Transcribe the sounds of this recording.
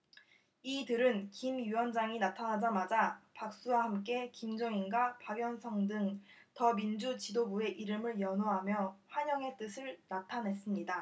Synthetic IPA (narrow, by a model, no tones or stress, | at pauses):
idɯɾɯnkimjuwʌnd͡ʑaŋinatʰanɦad͡ʑamad͡ʑapak̚s͈uwahamk̬͈e̞kimd͡ʑʌŋinɡwapaɡjʌnsʰʌŋdɯŋ | tʌmind͡ʑut͡ɕidobue̞ʔiɾɯmɯɭjʌnoɦamjʌɸwaɲʌŋe̞t͈ɯsʰɯɭnatʰanɦe̞s͈ɯmɲida